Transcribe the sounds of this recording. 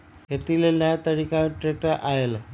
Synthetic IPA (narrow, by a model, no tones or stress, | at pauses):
et̪ːilelːaːt̪ɐɻikʲːaːʈrek̚ʈːɐʔaːjɐlɐ